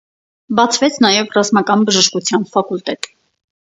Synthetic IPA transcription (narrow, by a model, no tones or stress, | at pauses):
bɑt͡sʰvɛt͡sʰnɑjɛvrɑzmɑkɑnbəʒəʃkut͡sʰjɑnfɑkult̪ɛt̪